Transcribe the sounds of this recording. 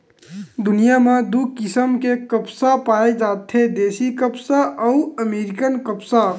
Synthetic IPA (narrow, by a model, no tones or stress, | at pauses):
d̪ʊnijamẽd̪ukɪsəmkekəpsapaːed͡ʒaːt̪ʰed̪eːsikəpsaʔɔʊəmeːɾɪkənkəpsa